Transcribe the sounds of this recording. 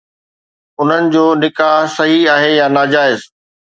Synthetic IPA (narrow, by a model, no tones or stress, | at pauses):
ʊn̤ənɪ̆d͡ʑoːnɪkaːɦsɐɦiaːɦejanaːd͡ʑaːɪz